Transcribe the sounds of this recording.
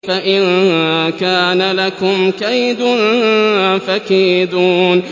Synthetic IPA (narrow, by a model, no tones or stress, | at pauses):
faʔɪnkaːnalakʊmkajd̪ʊn | fakiːd̪uːn